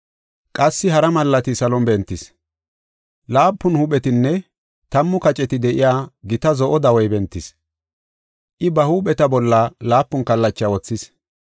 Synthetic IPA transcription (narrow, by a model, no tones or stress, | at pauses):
kʼɐsːɪɦɐɾɐmɐlːɐt̪ɪsɐlɔnbɛnt̪ːɪs | laːpːʊnhʊɓɛt̪ɪnːɛ | t̪ɐmːʊkɐt͡ʃʼɛt̪ɪd̪ɛʔɪjaːɡɪt̪ɐzɔʔɔd̪ɐwɔjbɛnt̪ːɪs | ʔɪbɐhuːɓɛt̪ɐbɔlːalaːpːʊnkɐlːɐt͡ʃːawɔt͡sːɪs